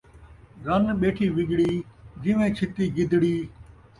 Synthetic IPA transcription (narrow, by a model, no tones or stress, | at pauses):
ɡənɓeːʈʰiːʋɪɡɽiːd͡ʒɪʋẽːt͡ʃʰɪt̪iːɡɪd̪ʱɽiː